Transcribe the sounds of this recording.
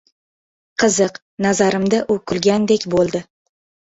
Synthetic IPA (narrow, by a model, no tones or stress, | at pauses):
qʰɨzɨq | nazaɾɪmd̪aʔʊkʰʊlˠɡʲand̪ekʲbolˠd̪ɪ